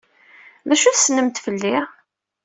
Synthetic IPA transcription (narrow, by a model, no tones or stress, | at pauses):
ðæʃuθsnəmt̪fəlːɪʁ